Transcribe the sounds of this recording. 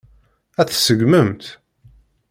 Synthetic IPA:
æθsəɡməmt̪

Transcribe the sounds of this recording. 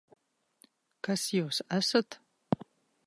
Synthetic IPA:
kɐsjɛwsʔɐsɐt̪ʰ

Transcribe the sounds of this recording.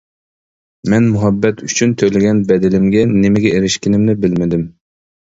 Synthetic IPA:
mɛnmuɦɛbːɛt̪ʰyt͡ʃʰynt̪ʰølɪɡʲɛnbɛd̪ɪlɪmɡʲɛnɪmɪɡʲɛeɾɪʃkʲɪnɪmnɪbɪlmɪd̪ɪm

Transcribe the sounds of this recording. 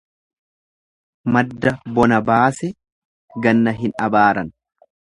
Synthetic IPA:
mɐd̪ːɐbɔnɐbaːsɛ | ɡɐnːɐɦɪnɐbaːɾɐn

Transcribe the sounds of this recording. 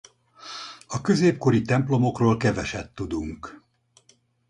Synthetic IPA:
ɒkø̞zeːp̚ko̞ɾit̪ɛmplo̞mo̞kroːlkɛvɛʃɛt̪ːud̪uŋk

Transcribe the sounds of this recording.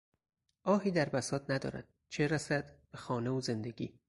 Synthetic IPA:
ʔɒːɦiːd̪æɾbæsɒːt̪næd̪ɒ̰ːɾæ̰d̪̥ | t͡ʃʰeɾæsæd̪̥b̥exɒːneoze̞nd̪e̞ɡḭː

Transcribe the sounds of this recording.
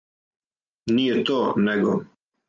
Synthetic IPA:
niet̪oneɡo

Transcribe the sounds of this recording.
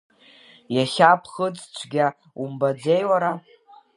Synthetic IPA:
jaχʲapʰχət͡sʼt͡ʃʷʰɡʲa | umbad͡zejwaɾa

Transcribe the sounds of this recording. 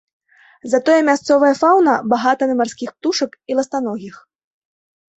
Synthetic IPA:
zɐt̪ɔjɛmʲast̪sɔvɐjɐfawnɐbaɣat̪ɐnɨmarsʲkʲixp̚t̪uʂɐkilˠɐst̪anɔɣʲix

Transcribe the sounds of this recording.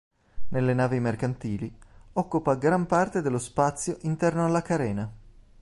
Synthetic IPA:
nelːenaːvimerkant̪iːliɔkːupaɡɾampart̪ed̪elːospat̪sːjoʔint̪ɛrnoalːakaɾɛːna

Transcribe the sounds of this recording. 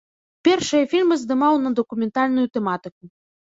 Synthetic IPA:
pʲerʃəjefʲilʲməzd̪ɨmɑwnɐd̪okumʲent̪ɑlʲnujut̪emɑt̪ɨku

